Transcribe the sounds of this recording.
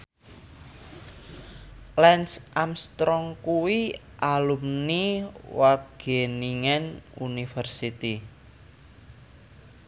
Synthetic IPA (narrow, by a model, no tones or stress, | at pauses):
lɛnsʔamst̪ɾɔŋkuwi | ʔalumniwaɡ̥eniŋɛnunifərsit̪i